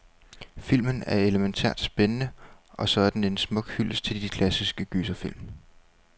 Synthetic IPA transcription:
fil̰mənæɐe̝ləment͡sʰæ̰ɐ̰d̥sb̥enənəʔɒ̽sɒ̽ɐd̥n̩e̝nsmɔ̽ɡ̥hyl̰st͡sʰe̝ld̥ikʰlæsisɡ̥əɡ̥yːsɐfil̰m

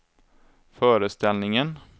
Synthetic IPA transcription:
fœːɾəst̪ɛlnɪŋən

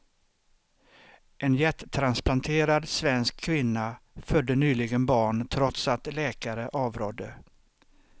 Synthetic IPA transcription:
ɛnjɛt̪ːt̪ʰːɾansplant̪ʰeːɾad̪svɛnskʰːvɪnːafœd̪ːənyːlɪɡənbɑːɳt̪ʰɾɔt̪sat̪lɛːkaɾəʔɑːvɾoːd̪ːə

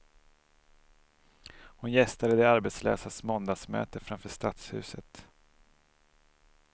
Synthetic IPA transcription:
hʊnjɛst̪ad̪əd̪ɛaɾbɛt̪slø̰ːsasmɔnd̪asmø̰ːt̪əfɾamfœːʂt̪at̪shʉ̟̰ːsət̪

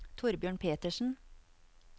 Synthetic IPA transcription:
t̪ʰʊɾbjøːɳpʰeːt̪əʃn̩

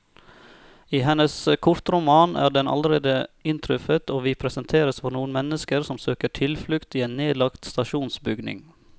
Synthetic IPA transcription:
iːɦɛnəskʰʊɾt̪ɾʊmɑːnʔæ̰ːɖɛnʔɑ̰ləɾeːd̪əɪnt̪ʰɾʉfət̪ʰoːʋiːpʰɾɛsənt̪ʰeːɾəsfɔɾnuːənmɛnəskəɾsɔmsøːkəʈʰɪlflʉkt̪iːeːnneːlɑkt̪st̪ɑʃuːnsbʏɡnɪ̰ŋ

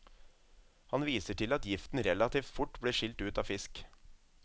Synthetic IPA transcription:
hɑnʋiːsəʈʰɪlɑt̪jɪft̪n̩ɾɛlɑt̪ʰiːft̪fʊʈbɽiːʂɪlt̪ʉːt̪ɑːfɪsk

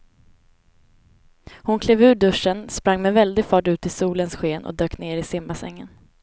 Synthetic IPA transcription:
hʊnkʰleːvʉ̟ːɖɵʂənspɾaŋːmɛvɛld̪ɪɡfɑːʈʉ̟ːt̪ɪsuːlənsɧeːnʔɔ̰d̪øːkneːɾɪsɪmbasɛ̰ŋːən

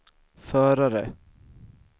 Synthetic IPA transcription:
fœːɾaɾə

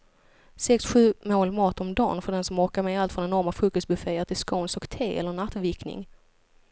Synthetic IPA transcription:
sɛksɧʉ̟ːmoːlmɑːt̪ɔmd̪ɑ̰ːnfœɖɛnsɔmɔɾkaɾmɛːalt̪fɾɔnɛnɔɾmafɾɵːkɔst̪̚bɵfeːəʈ̪ʰɪlskownsɔkt̪ʰeːɛ̰lːəɳat̪ːvɪɾknɪ̰ŋ

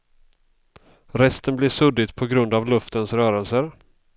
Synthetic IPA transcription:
ɾɛst̪ənblɪʂɵd̪ɪt̪pʰɔɡɾɵnd̪avlɵft̪ənsɾœːɾəlsəɾ

